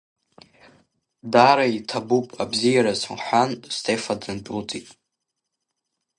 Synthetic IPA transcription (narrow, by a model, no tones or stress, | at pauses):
daɾaitʰabupʼabzijaɾazʊnħʷᶣanstʰefadɨnt͡pʼut͡sʼitʼ